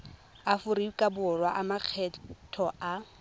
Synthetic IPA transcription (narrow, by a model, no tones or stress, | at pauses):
afʊɾikʼabʊrwaʔamak͡xʰɛtʰɔa